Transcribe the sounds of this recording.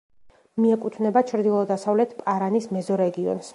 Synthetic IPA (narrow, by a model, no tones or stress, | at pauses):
miɛkʼut̪ʰvnɛbat͡ʃʰɾd̪ilˠɔd̪asavlɛt̪ʰpʼaɾanismɛzɔɾɛɡiɔ̰ns